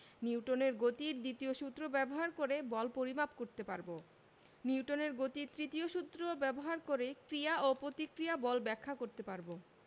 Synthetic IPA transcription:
niwʈoneɾɡot̪iɾd̪it̪ioʃut̪ːɾobɛboɦaɾkoɾebɔlpoɾimapkoɾt̪epaɾbo | niuʈoneɾɡot̪it̪ɾit̪ioʃut̪ːɾobɛboɦaɾkoɾekɾijaopɾot̪ikɾijabɔlbɛkʰːakoɾt̪epaɾbo

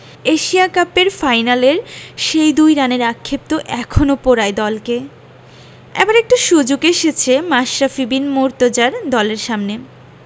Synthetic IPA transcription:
eʃiakapeɾfajnaleɾʃejd̪ujɾaneɾakʰːep̚t̪oʔɛkʰonopoɾaed̪ɔlke | ɛ̰baɾek̚ʈaʃud͡ʑoɡeʃet͡ɕʰemaʃɾafibinmoɾt̪od͡ʑaɾd̪ɔleɾʃamne

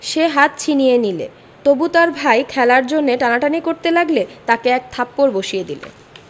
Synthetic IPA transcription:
ʃeɦat̪̚t͡ɕʰinijenilḛ | t̪obut̪aɾbʱajkʰɛlaɾd͡ʑonːeʈanaʈanikoɾt̪elaɡlet̪akeɛk̚t̪ʰapːoɾboʃied̪ilḛ

